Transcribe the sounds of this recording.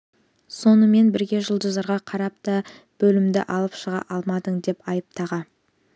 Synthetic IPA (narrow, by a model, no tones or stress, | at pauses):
so̞nəme̞nbɪɾɡʲe̞ʒəlˠd͡ʒəzɑɾʁɑqʰɑɾɑp̚t̪ə | b̥ɵlɪmd̪ɪ̰ʔɑlˠəpʃəʁɑ̰ʔɑlˠmɑd̪əɴd̪e̞pɑjəp̚t̪ɑʁɑn